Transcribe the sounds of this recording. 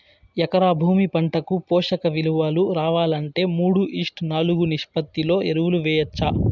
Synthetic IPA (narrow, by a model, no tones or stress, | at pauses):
jɛkɐɾaːbʱuːmipɐɳʈɐkupɔːʂɐkɐʋiluʋaːluɾaːʋaːlɐɳʈe̞ːmuːɽuʔiːʂʈnaːluɡuniʂpɐt̪ːilo̞ːʔeɾuwuluʋɛːjɐt͡ʃːa